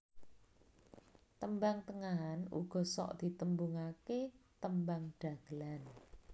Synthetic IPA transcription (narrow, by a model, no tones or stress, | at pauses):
t̪əmbaŋt̪əŋaɦanṵɡ̥ɔ̤sɔ̰ʔd̪̥i̤t̪əmbuŋaket̪əmbaŋɖ̥ä̤ɡ̥əlan